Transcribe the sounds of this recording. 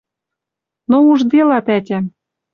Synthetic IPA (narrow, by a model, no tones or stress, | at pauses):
nouʒd̪elɑt̪ætʲæm